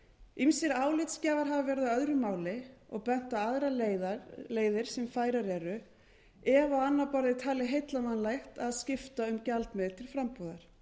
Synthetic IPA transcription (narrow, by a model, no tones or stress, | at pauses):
imsɪɾaːwlɪt̪scaːvaɾ̥ɦavavɛɾðʏœðɾʏmaːwlɪɔ̰ɣpɛn̥t̪aaðɾalleːjðɪɾ̥sɛmfaːjɾaɾɛɾʏ | ɛvaanːapɔɾðɪt̪ʰaːlɪɦejt̪lamanlajxt̪aðscɪft̪aʏmcalt̪mɛðt̪ʰɪlfɾampuðaɾ̥